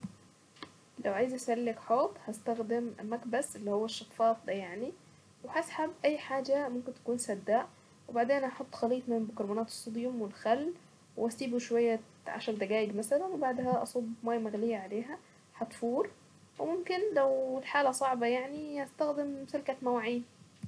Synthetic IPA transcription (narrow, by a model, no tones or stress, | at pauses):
læwʕaːjzʔæsælːɪkħoːt̪ˤhæst̪æxd̪ɪmmækbæsʔelːihowːæʃːɑfːɑːfd̪æjaʕni | wehasħabʔæjːħaːd͡ʒæmomkɪnt̪æ̥kuːnsæd̪ːaːʔ | webaʕd̪eːnʔɑħot̪ˤːxɑliːt̪ˤmɪmbokɑɾˤbɑnɑːt̪e̥sˤːod̪jomwelxælː | wʔæsiːbuʃowæjːæ | ʕa̰ʃækd̪æɡæːʔɪɡmæsælænwebaʕd̪hæʔɑ̰sˤobmæːjmæɣlɪjːæʕaleːɦæ | ħɑt̪fuːɾˤ | wemomkɪnlæwlħaːlæsˤɑʕbɑjaʕnihæst̪æxd̪emselkæt̪mæwʕiːn